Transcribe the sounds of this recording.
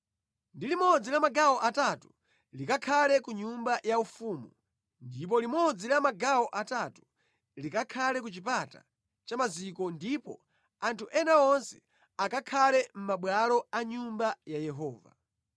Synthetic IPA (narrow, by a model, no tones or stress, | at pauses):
ndilimɔd͡zilamaɡawɔʔatatu | likakʰalɛkuɲumbajaufuːmu | ndip̬ɔlimɔd͡zilamaɡawɔʔatatu̥ | likakʰalɛk̬ut͡ʃipata̰ | t͡ʃamazikɔndipɔ̰ | antʰuʔɛnaɔnsɛ̥ | akakʰalɛm̩maɓwalɔaɲumbajajɛɦɔːva̰